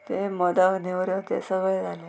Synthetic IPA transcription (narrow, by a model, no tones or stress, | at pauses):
t̪eməd̪aknewɾjət̪ḛsəɡəjd͡zʱale